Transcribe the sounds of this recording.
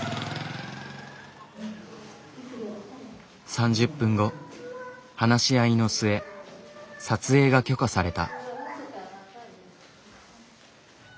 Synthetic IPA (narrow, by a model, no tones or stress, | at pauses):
sãɲ̟d͡ʑɨpːɯ̟̃ŋɡo̞ | hanaɕiaino̞sɨe̞ | sat͡sɨe̞ːɡakʲo̞kasaɾe̞t̪a̰